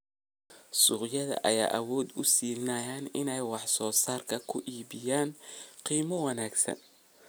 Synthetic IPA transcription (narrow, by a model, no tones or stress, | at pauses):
suːqjɐðɐ̰ʔɐ̰ja̰ːʔɐwɔːd̪ʊsiːlɪnɐjaːnɪnɛjwɑħsɔːsaːrkʰɐkʰʊʔiːbɪjaːnqiːmɔwɑnaːɡsɐ̰n